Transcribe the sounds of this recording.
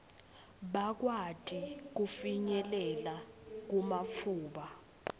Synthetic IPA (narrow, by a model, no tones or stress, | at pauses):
ɓak̬watʰʼik̬ufiɲɛlɛlak̬umap̪fʰuːɓa